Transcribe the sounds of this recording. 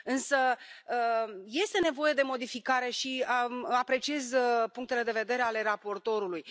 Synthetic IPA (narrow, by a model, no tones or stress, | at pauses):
ɨnsəəje̞st̪e̞ne̞vo̞je̞d̪e̞mo̞d̪ifikaɾe̞ʃiəapɾe̞t͡ʃie̞zpuŋkt̪e̞le̞d̪e̞ve̞d̪e̞ɾe̞ale̞ɾapo̞rt̪o̞ɾuluj